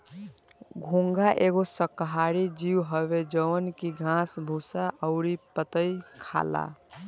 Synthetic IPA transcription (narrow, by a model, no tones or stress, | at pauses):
ɡʱũŋɡaʔeɡosəkːɦaɾid͡ʒiwɦəβed͡ʒəwənkiɡʱãsbʱusaʔəʊɾipət̪əjkʰa̰la̰